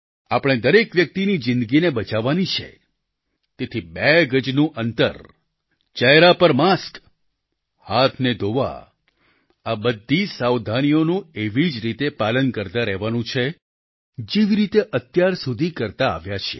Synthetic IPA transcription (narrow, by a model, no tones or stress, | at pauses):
apəɽ̃ed̪əɾekʋjək̚t̪inid͡ʒɪ̃nd̪əɡinebət͡ʃaʋanit͡ʃʰḛ | t̪et̪ʰibɛɡəd͡ʒnũʔənt̪ə̰ɾ | t͡ʃəɦɾapəɾmask | hat̪ʰned̪oʋa̰ | abəd̪ʱːisawd̪ʱanijonũeʋid͡ʒɾit̪epalənkəɾt̪aɾɛɦʋanũt͡ʃʰe | d͡ʒeʋiɾit̪eʔət̪jaɾsud̪ʱikəɾt̪a̰ːʋjat͡ʃʰḛ